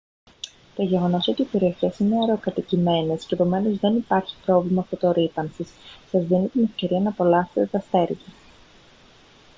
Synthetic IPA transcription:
t̪o̞ʝe̞ɣo̞no̞so̞t̪iope̞ɾiɐçe̞sine̞ɐɾo̞kɐt̪icime̞ne̞sceepo̞me̞no̞zðe̞nipɐɾçi̥pɾo̞vlimɐːft̪o̞t̪o̞ɾipɐnsissɐzðinit̪ine̞fce̞ɾiɐnɐpo̞lɐset̪et̪ɐst̪e̞ɾʝɐ

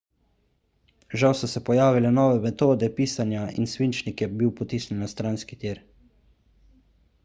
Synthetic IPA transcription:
ʒawsɔsɛpɔjaːʋilɛnɔːʋɛmɛt̪oːd̪ɛpiːsanjaḭnsʋint͡ʃnikjɛbiwpɔt̪iːsnɛnnːast̪ɾanskit̪iːɾ

